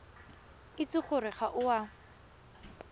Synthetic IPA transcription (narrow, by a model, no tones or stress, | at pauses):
ɪt͡sɪχʊrɪχaʔʊwa